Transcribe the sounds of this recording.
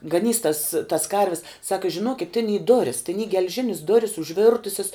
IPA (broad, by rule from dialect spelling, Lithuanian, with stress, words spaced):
ɡɐˈnʲiːs tɐs tɐs ˈkɐrʲʋʲɪs ˈsɑːkɐ ʒʲɪˈnoːkʲɪt tʲɪn iː ˈdoːrʲɪs tʲɪn iː ɡʲɛlʲˈʒʲɪnʲɪs ˈdoːrʲɪs ʊʒʲˈʋʲɪrtʊsʲɪs